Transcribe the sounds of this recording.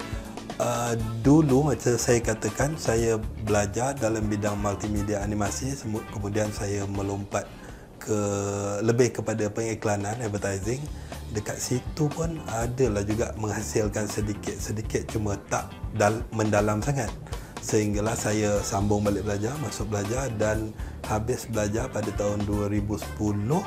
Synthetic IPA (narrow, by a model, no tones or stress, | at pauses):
ədulumat͡ʃəsajakat̪əkansajəbəlad͡ʒardalambidaŋmalt̪imediaːnimasisəbʊt̪̚kəmũdiansajəməlompat̪̚ | kʰələbɪhkəpadapəŋiklananɛvət̪ajzɪŋdəkat̪̚sit̪upʊnadəlahd͡ʒuɡaʔməŋhasɪlkansədikɪt̪̚sədikɪt̪̚t͡ʃumət̪aʔdaməndalamsaŋat̪̚səɦiŋɡalahsajasambʊŋbalɪʔ̚bəlad͡ʒarmasʊk̚bəlad͡ʒardanhabɪsbəlad͡ʒarpadat̪aɦʊnduəɾibusə̥pulʊh